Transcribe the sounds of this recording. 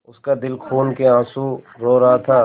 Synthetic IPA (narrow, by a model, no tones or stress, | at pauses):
ʊskad̪ɪlkʰuːnkeãːsu | ɾoːɾɐɦat̪ʰaː